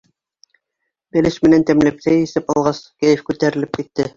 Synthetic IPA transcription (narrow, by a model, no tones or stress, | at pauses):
bæ̆lɘʃmɘ̆nænt̪æmlæpsæjɘ̆sɘpɑlˠʁɑskæjɘfkʉt̪æɾɘ̆lɘp̚kit̪ːɘ